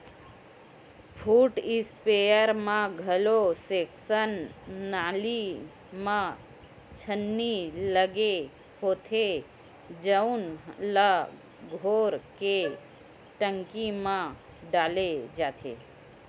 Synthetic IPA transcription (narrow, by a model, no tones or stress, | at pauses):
pʰuːʈɪspejəɾmãɡʱəloseːksənːaːli | mã | t͡ʃʰənːiləɡe | hoːt̪ʰe | d͡ʒəʊnla | ɡʱoːɾke | ʈəŋkimã | ɖaːled͡ʒaːt̪ʰḛː